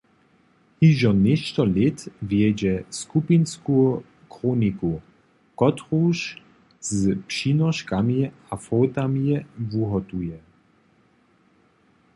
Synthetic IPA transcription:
hiʒɔnɪʃt̪ɔlɪtvjɛd͡ʑɛskupinsku | kʁoːniku | kɔt̪ʁuʃ | zpʃinɔʃkamiafɔwt̪amjɛvuɦɔt̪ujɛ

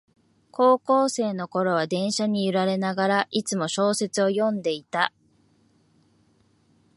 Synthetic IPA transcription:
kʰo̞ːko̞ːse̞ːno̞ko̞ɾo̞β̞ad̪ẽ̞ɰ̃ɕaɲ̟iɯɾaɾe̞naɡaɾaʔit͡sɨmo̞ɕo̞ːse̞t͡sɨo̞jõ̞nd̪e̞it̪a

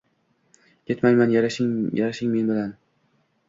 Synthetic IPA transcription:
kʰʲe̞t̪majmanjaɾaʃɪŋjaɾaʃɪŋme̞nbɪlan

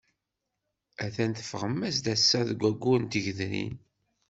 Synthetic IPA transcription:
æθænt̪ə̥fʁəmːæsd̪æsːæðəɡʷːæɡʷːʊnt̪əʝðnḭn

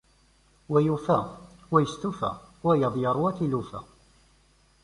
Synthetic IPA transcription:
wæjufæwæjəst̪ufæ̰wæjəðˤjəɾˤwæθilufæ̰

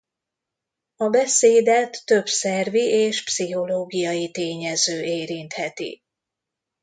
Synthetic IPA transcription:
ɒbɛseːd̪ɛt̪ːøbsɛrviʔeːʃpsiɦo̞loːɡijɒjit̪eːɲɛzøːʔeːɾint̪hɛt̪ḭ

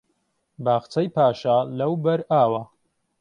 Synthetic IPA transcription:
baːχt͡sɐjpʰaːʃalɐwbɐɾaːwɐ

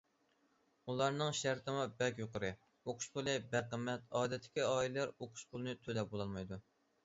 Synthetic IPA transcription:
ulˠɑɾnɨŋʃæɾt̪ʰɨmubɛkʲjoqəɾɨ | oqʰʊ̥ʃpʰolˠɨbæqəmːɛt̪ɑːd̪ɛt̪ʰːɪ̥kʲiɑːillɛɾoqʰʊ̥ʃpʰʊlˠɨnɨt̪ʰølɛbolˠɑlˠmɑjd̪u

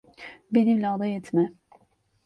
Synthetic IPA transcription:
be̞nimlʲɛad̪ˠɑjɛt̪ʰmɛ

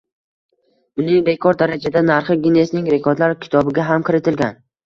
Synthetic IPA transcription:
ʊnɪŋbe̞kʰɒɾd̪aɾad͡ʒad̪anaɾχɨɡʲine̞snɪŋɾe̞kʰoɾd̪laɾkʲʰɪ̥t̪ʰɒbɪɡʲaɦamkʲʰɪɾɪt̪ʰɪlɡʲan

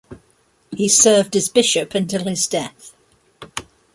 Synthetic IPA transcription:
hisɜːvdəzbɪʃəpə̃ntʰɪlˠɪzdɛθ

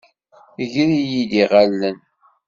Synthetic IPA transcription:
ʝɾijiðiʁalːən

